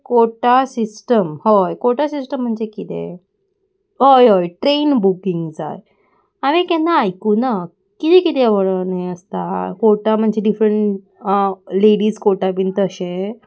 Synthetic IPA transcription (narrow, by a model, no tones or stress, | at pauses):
koʈasisʈəmhojkoʈasisʈəm̤ːəɳd͡ʑekit̪ḛ̃ | ɦojɦojʈɾenbukiŋɡd͡za̰j | aʋẽkɛ̃naːjkuna | kit̪ɛ̃kit̪eəʋəɽənẽəst̪akoʈam̤əɳd͡ʑeɖifɾəɳʈ | leɽiːskoʈabint̪əɕẽ